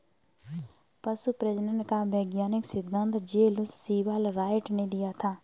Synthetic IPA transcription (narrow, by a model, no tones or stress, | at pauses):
pɐsupɾezɪɖəɳʈkaʋeːɡjaːnɪksɪd̪ʱːə̃nt̪d͡ʒeːlʊsːiːʋaːlɾaːɪʈned̪ijat̪ʰaː